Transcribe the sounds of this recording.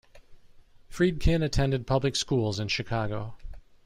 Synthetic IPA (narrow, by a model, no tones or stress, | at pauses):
fɹid̚kʰɪ̃nɨtʰɛ̃ndɨd̚pʰʌblɨkskulˠzɨ̃nʃɨkʰɑɡoʊ